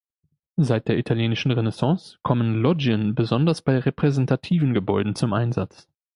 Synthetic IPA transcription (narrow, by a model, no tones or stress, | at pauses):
zaɪt̚d̥eːɐitʰaljeːnɪʃn̩ʁenɛsɑ̃ːskʰɔmənlɔd͡ʒənbəzɔndɐsb̥aɪʁepʁ̥ɛzɛntʰatʰiːvn̩ɡəbɔʏdn̩t͡sʊmʔaɪnzat͡s